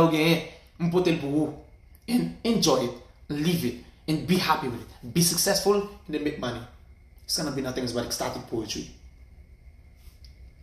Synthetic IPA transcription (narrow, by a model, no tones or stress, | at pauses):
ɡɛ̃ | m̩pʊtebu | ɛ̃nɛ̃nd͡ʒɔɪɪtlivɪtɛ̃nbihapiwɪðɪtbisəksɛsfulɛ̃ndemet̚maniɪtsɡʌnəbinʌθɪ̃ŋzbatɛkstatɪŋ̚pʰoətʰɹḭ